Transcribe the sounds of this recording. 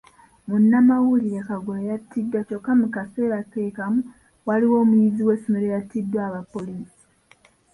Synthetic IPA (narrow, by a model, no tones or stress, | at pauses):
munːamawuliɾekaɡoejatːidːwat͡ʃokːamukase̞ːɾate̞ːkamu | waliwo̞ːmujiziwe̞ːsomeɾe̞jatːidːwaːβapːo̞liːsi̥